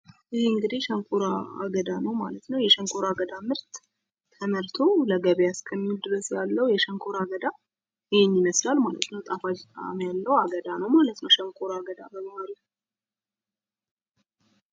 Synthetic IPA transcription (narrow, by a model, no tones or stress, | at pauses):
jɪhɨŋɡɨd̪ihʃɛŋkʰʼuɾaa̰ɡəd̪anəwma̰lət̪nəwjɛʃəŋkʰoɾaɡəd̪amɨɾt̪ːʰ | əmɨɾt̪ʰoləɡəβejaskʰəmːiuld̪ɨɾəsjalːəwujɛʃəŋkʰoɾaɡəd̪a | jɪheɲːɪməslalmalə̰t̪nəwt̪ʼafad͡ʒt̪ʼa̰mjalːəwaɡəd̪anəwmalət̪nəwʃəŋkʰʼoɾaɡəd̪abəmahaɾi